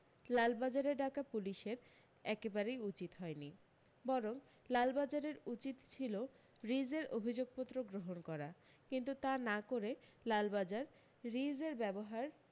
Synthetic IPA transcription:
lalbad͡ʑaɾeɾɖakapuliʃeɾ | ɛkebaɾejut͡ɕit̪ɦɔeni | bɔɾoŋ | lalbad͡ʑaɾeɾut͡ɕit̪t͡ɕʰilo | ɾid͡ʑeɾobʱid͡ʑoɡ̚pot̪ːɾoɡɾoɦonkɔɾa | kint̪ut̪anakoɾelalbad͡ʑaɾː | id͡ʑeɾbɛboɦaɾ

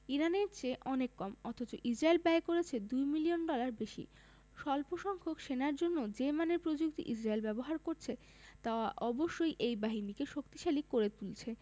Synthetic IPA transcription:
iɾaneɾt͡ɕeʔɔnekːɔmɔt̪ʰot͡ɕoʔid͡ʑɾaelbɛekoɾet͡ɕʰed̪ujmilionɖɔlaɾbeʃḭ | ʃɔlpoʃɔŋkʰokʃenaɾd͡ʑonːod͡ʑemaneɾpɾod͡ʑuk̚t̪ḭʔid͡ʑɾaelbɛboɦaɾkoɾt͡ɕʰe | t̪aoaʔɔboʃːojʔejbaɦinikeʃokt̪i̥ʃalikoɾet̪ult͡ɕʰe

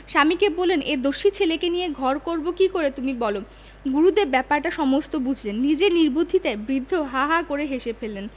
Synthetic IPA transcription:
ʃamikebolened̪oʃit͡ɕʰelekenijeɡʱɔɾkoɾbokikoɾet̪umibɔlo | ɡuɾud̪eɾbɛpaɾʈaʃɔmost̪obud͡ʑʱlenːid͡ʑeɾniɾbod̪ʱit̪aebɾid̪ʱːoɦaɦakoɾeɦeʃepelen

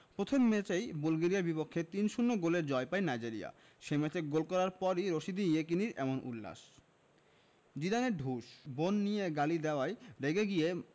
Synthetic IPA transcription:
pɾot̪ʰomːet͡ɕejbulɡeɾijaɾbipokʰːet̪inʃunːoɡoleɾd͡ʑɔepaenajd͡ʑiɾia̰ | ʃemɛt͡ɕeɡolkɔɾaɾpɔɾiɾoʃid̪iek̬iniɾɛ̰monʔṵlːa̰ʃ | d͡ʑiɾaneɾɖʱuʃbonːijeɡalid̪ɛoajɾeɡeɡie

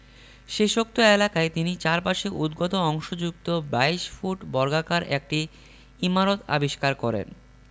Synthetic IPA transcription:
ʃeʃok̚t̪oelakaet̪init͡ɕaɾpaʃeʔud̪ɡot̪oɔŋʃod͡ʑukt̪obajʃfuʈbɔɾɡakaɾek̚ʈi | imaɾot̪a̰biʃkaɾkɔɾḛn

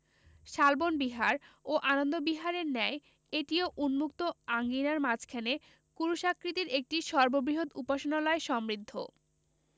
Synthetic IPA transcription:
ʃalbonbiɦaɾoʔanond̪obiɦaɾeɾnɛe | eʈioʔunmuk̚t̪oaŋɡinaɾmad͡ʑʰkʰɛne | kuɾuʃakɾit̪iɾek̚ʈiʃɔɾbobɾiɦod̪upaʃonalɔeʃɔmɾid̪ʱːo̰

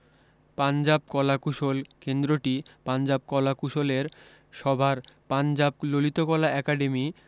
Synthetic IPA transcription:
pand͡ʑab̚kɔlakuʃolkend̪ɾoʈipand͡ʑab̚kɔlakuʃoleɾ | ʃɔbʱaɾpand͡ʑab̚lolit̪okɔlaɛkaɖemi

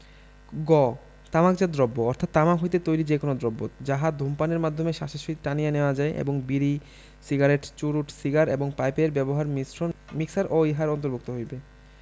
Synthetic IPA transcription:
ɡɔ | t̪amakd͡ʑad̪ɾɔbːoɔɾt̪ʰat̪ːamakɦojt̪et̪ojlid͡ʑekonod̪ɾɔbːod͡ʑaɦad̪ʱompaneɾmad̪ʱomeʃaʃeʃiʈanijaneoad͡ʑaeʔḛboŋbiɾi | siɡaɾeʈt͡ɕuɾuʈsiɡaɾeboŋpajpeɾbɛboɦaɾmsomiksaɾʔoiɦaɾɔnt̪oɾbʱuk̚t̪oɦojbe

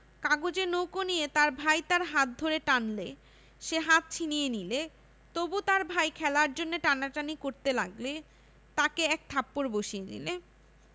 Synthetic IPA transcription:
kaɡod͡ʑenowkonijet̪aɾbʱajt̪aɾɦat̪̚d̪ʱoɾeʈanle | ʃeɦat̪̚t͡ɕʰinijenile | t̪obut̪aɾbʱajkʰɛlaɾd͡ʑonːeʈanaʈanikoɾt̪elaɡle | t̪akeɛk̚t̪ʰapːoɾboʃienḭle

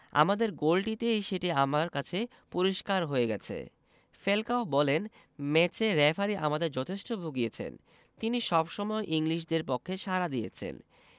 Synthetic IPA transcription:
a̰mad̪eɾɡolʈit̪ejʃeʈiamaɾkat͡ɕʰe | poɾiʃkaɾɦoeɡɛt͡ɕʰḛ | felkaobɔlen | mɛt͡ɕeɾɛfʰaɾiʔamad̪eɾd͡ʑɔt̪ʰeʃʈobʱuɡiet͡ɕʰḛn | t̪iniʃɔbʃɔmɔeʔiŋliʃ̬d̪eɾpokʰːeʃaɾad̪ijḛt͡ɕʰḛn

